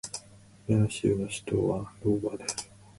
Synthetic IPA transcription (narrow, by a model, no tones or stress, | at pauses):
maɕɨ̰ːnoɕi̥t̪o̰ːβaɾoːbad̪esɨ̥